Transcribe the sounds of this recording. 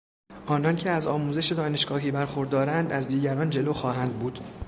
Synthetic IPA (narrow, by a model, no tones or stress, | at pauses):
ʔɒːnɒncʰeæzɒːmuːzeʃe̞d̪ɒːne̞ʃɡɒːɦiːbæɾxoɾd̪ɒːɾænd̪æzd̪iːɟæɾɒːnd͡ʒe̞loːxɒːɦænd̪̚buːd̪̥